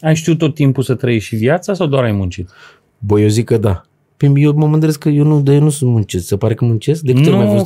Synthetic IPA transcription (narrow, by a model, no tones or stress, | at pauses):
ajʃt̪iut̪ːo̞t̪ːimpusət̪ɾəjeʃivjat̪sasawd̪oaɾajmũnt͡ʃit̪ | bəjewzikːəd̪a | pijewməmɨnd̪ele̞skəjewnud̪ajenusunt̪munt͡ʃessepaɾe̞kəmunt͡ʃe̞sk̚d̪ekkɨt̪elmajafost̪